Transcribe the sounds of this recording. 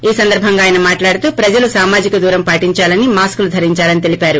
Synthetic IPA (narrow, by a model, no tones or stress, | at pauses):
iːsɐnd̪ɐɾbʱɐŋɡaːjɐnɐmaːʈlaːɽut̪uːpɾɐd͡ʒɐlusaːmaːd͡ʒikɐd̪uːɾɐmpaːʈiɲt͡ʃaːlɐnimaːskulud̪ʱɐɾiɲt͡ʃaːlɐnit̪e̞lipaːɾu